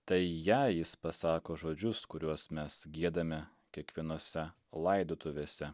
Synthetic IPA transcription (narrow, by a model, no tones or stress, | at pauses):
t̪ɐɪjæːjɪspɐsɑːkoːʒoːd͡ʒʲʊskʊɾʲuɔsmʲɛsɡʲiɛd̪ɐmʲɪ | kʲiɛkʋʲiɛnoːsʲɛ | lˠɐɪd̪oːt̪ʊʋʲeːsʲɛ